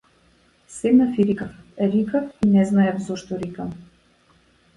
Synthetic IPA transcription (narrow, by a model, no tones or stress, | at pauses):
sɛd̪nafiɾikafɛɾikafinɛznaɛfzɔʃt̪ɔɾikam